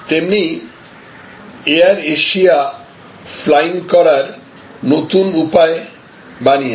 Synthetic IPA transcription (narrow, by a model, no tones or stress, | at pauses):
t̪emni | eaɾeʃia | flajŋkɔɾaɾ | not̪unupae | banije